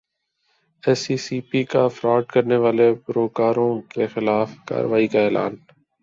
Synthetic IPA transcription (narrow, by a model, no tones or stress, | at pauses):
ɛːsiːsiːpiːkafɾɔːɖkəɾneʋaːlepɾoːkaːɾõkexɪlaːfka̰ːɾəʋaːikaɛːla̰ːn